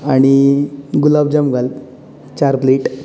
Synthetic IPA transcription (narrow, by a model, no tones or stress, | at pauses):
aɽ̃iɡulabd͡ʑamɡal | t͡ɕaɾpleʈ